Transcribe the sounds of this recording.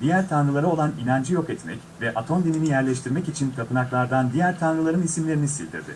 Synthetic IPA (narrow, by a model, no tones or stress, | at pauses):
d̪ijæɾt̪ʰanɾɯlˠaɾao̞lˠaninand͡ʒijo̞kɛt̪mɛ̰c | vɛʔat̪ʰo̞nd̪ininijæɾlʲɛʃ̬t̪ʰiɾmɛcit͡ʃʰinkʰapʰɯnaklˠaɾd̪and̪ijæɾt̪ʰanɾɯlˠaɾɯnisimlʲe̞ɾinisḭlʲd̪ʰḭɾd̪ɪ̰